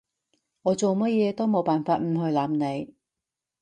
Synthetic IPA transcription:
ŋɔː˨˧t͡ʃo˨wmɐ˥t̚jɛː˨˧t̪o˥wmo˨˧wpaː˨nfaː˧t̚m̩˨˩ɦɵ˧ɥlaː˨˧˥mne˨˧j

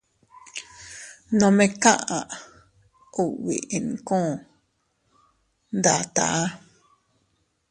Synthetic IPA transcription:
nõ˧mẽ˧kã˦ʔã˨ʔ | u˦˨ʔwḭ˨i˨n˨kõ˦˨ | nd̪a˨t̪a̰˨ʔa˦

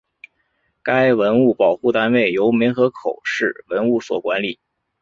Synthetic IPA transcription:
ka˥ɪwə˧˥nu˥˩pɑ˨˩ʊxu˥˩t̪a˥nwe˥˩ɪjo˧˥ʊmi˧˥ŋxɤ˧˥kʰo˨˩ʊʂɻ̩˥˩wə˧˥nu˥˩swɔ̰˨˩kwa˧˥nli˨˩˦

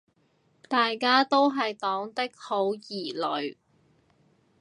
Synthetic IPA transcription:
t̪aː˨jkaː˥t̪o˥wɦɐ˨jt̪ɔː˨˥ŋt̪ɪ˥k̚ho˨˥wjiː˨˩lɵ˨˧˥ɥ

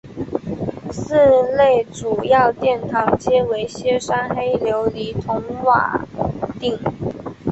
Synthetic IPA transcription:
sɹ̩˥˧le˥˩ɪʈ͡ʂu˨˩jɑ˥˧ʊt̪jɛ˥˩nt̪ʰɑ˧˥ŋt͡ɕjɛ˥we˧˥ɪɕjɛ˥ʂa˥nxe˥ɪljo˧˥ʊli˧˥t̪ʰʊ˧˥ŋwa̰˨˩t̪i˥˩ŋ

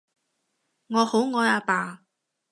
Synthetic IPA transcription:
ŋɔː˨˧ho˨˥wŋɔː˨˧jaː˧paː˧

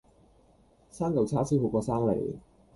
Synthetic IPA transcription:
saː˥ŋkɐ˨˩wt͡sʰaː˥sʰiː˥ho˨˧˩kɔː˧saː˥ŋlḛ˨˩j

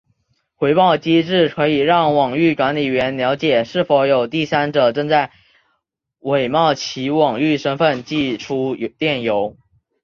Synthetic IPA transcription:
xwe˧˥ɪpɑ˥˩ʊt͡ɕi˥ʈ͡ʂɻ̩˥˩kʰɤ˧˥i˨˩ɻɑ˥˩ŋwɑ˨˩ŋy˥˩kwa˧˥nli˨˩ɥɛ˧˥nljɑ˧˥ʊt͡ɕjɛ˨˩ʂɻ̩˥˩fo˨˧˥ʊjo˨˩ʊt̪i˥˩sa˥nʈ͡ʂɤ˨˩ʈ͡ʂɤ˥˧ŋt͡sa˥˩ɪ | we˨˩ɪmɑ˥˩ʊt͡ɕʰi˧˥wɑ˨˩ŋy˥˩ʂə˥ŋfə˥˧nt͡ɕi˥˩ʈ͡ʂʰu˥t̪jɛ˥˩njo˧˥ʊ

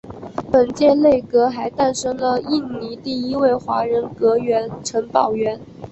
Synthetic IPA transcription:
pə˨˩nt͡ɕjɛ˥˧le˥˩ɪkɤ˧˥xa˧˥ɪt̪a˥˩nʂɤ˥ŋlə˧i˥˩nni˧˥t̪i˥˩i˥we˥˩ɪxwa˧˥ɻə˧˥nkɤ˧˥ɥɛ˧˥nʈ͡ʂʰə˧˥ŋpɑ˨˩ʊɥɛ˧˥n

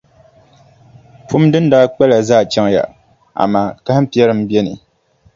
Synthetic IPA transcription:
pʰʊ˦mdɨ˦n̩˦daː˦k͡pɛ˦la˨zaː˦˨t͡ʃɛ˦ŋja̰˨ | a̰˨maː˦˨ka˦hm̩˦pi˦ɛ˦ɾɨ˦m˦bi˦ɛ˦nɨ̰˨

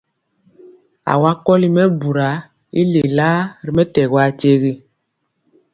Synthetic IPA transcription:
a̰˨wa˦kɔ˦li˦mɛ˦bu˨ɾa˨˦ | i˦le˨la˦ɾi˨mɛ˦tɛ˨ɣwa˦t͡ʃe˦ɣi˦

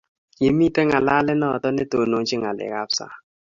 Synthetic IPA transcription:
je˨mi˦˨tɛ˦ŋa˨la˦lɛ˦nɔ˦˨tɔ˦ne˦to˨no˨ŋ˦t͡ʃɪ˦ŋa˨lɛ̰˨ka˦psa̰˦

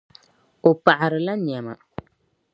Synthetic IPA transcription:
o˨pa˨ʔa˨ɾɨ˨la˦ɲɛ˨ma̰˨

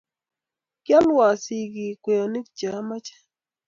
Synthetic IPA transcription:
kja˦lwa˨si˨ɡi˨kwe˨ɔ˨ni˦k̚d͡ʒa˨˦ma˦t͡ʃɛ̥˦

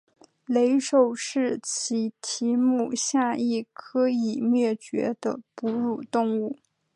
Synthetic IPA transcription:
le˧˥ɪʂo˨˩ʊʂɻ̩˥˩t͡ɕʰi˧˥t̪ʰi˧˥mu˥˩ɕja˥˧i˥˩kʰɤ˧˥i˨˩mɥɛ˥˩t͡ɕɥɛ̰˧˥d̪ə̰˧pu˧˥ɻu˨˩t̪ʊ˥˧ŋu˥˩

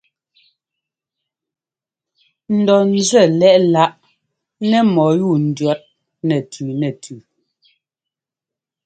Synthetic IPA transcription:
n̩˨dɔ˨n̩˨zɛ˦˨lɛ˦ʔla˦ʔ | nɛ˦mɔ˨˦juː˦˨n̩˨dɥa˦t̚ | nɛ˨tʰʉ˨nɛ˨tʰʉ˨

